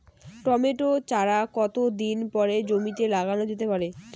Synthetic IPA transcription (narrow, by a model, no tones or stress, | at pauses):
ʈɔmeʈot͡ɕaɾakɔt̪od̪inpɔɾed͡ʑomit̪elaɡanod͡ʑet̪epaɾe